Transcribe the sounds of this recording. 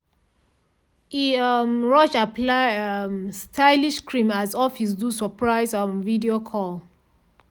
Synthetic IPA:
iʌmɹɔʃaplaɪamstʰaɪliʃkɹĩmazɔfis̬dusɔpɹaɪzɔmvidiokʰɔl

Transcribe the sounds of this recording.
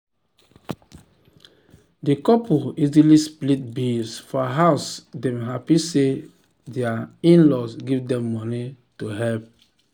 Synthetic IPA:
dekɔpuizilisplit̚bilsfɔɦaʊsdɛ̃mɦapise | deaĩnlɔsɡivdɛ̃mːɔnituɦɛlp̚

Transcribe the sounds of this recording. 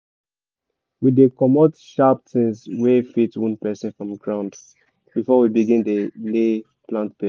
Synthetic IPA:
widekɔmɔtʃap̚tʰĩnswefitwũnpɛsɛ̃nfɹɔ̃mɡɹãʊ̃nd | b̥ifɔwibiɡĩndele | plãntbe

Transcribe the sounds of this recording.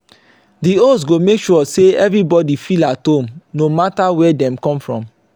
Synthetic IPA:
dios̬ɡomekʃuɔseɛvɹibɔdifilatõmnomatawɛdɛ̃mkɔ̃mfɹɔ̃m

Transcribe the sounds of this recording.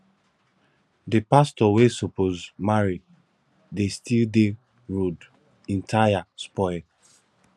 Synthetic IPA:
depastɔwesopozmaɹi | destilde | ɹod | ɛ̃ntʰajaspɔɪl

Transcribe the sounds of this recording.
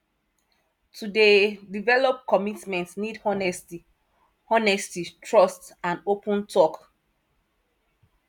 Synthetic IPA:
tʰudedivɛlɔp̚kɔmitmɛ̃ntsnidhɔnɛsti | hɔnɛstitʰɹɔstãnopũntʰɔk

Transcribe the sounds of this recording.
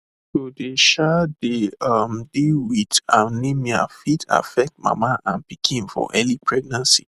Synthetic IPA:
sodeʃadeamdilwidanimia̰fitʰa̰fɛk̚t̚ma̰maʔãnpikʰĩnfɔ̰ʔɛlipʰɹɛɡ̚nãnsḭ

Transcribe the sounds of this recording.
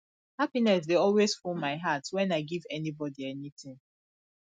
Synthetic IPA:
hapinɛs̬deɔlwezfɔmaɪɦatwɛ̃naɪɡivɛnibɔdiɛnitɪ̃ŋ

